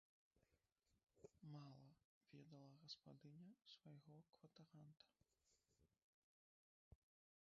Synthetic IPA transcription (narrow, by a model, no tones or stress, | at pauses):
malˠɐvʲɛd̪ɐlˠɐɣɐspad̪ɨnʲɐsvajɣɔkvɐt̪ɐɾant̪ɐ̥